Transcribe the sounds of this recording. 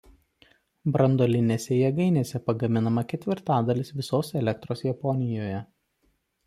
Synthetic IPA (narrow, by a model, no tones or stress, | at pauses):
bɾɐnd̪olʲɪnʲeːsʲɛjɛɡɐɪnʲeːsʲɛpɐɡɐmʲɪnɐmɐkʲɛt̪ʲʋʲɪɾt̪ɑːd̪ɐlʲɪsʋʲɪsoːsɛlʲɛk̚t̪ɾoːsjɛpɔnʲɪjoːjɛ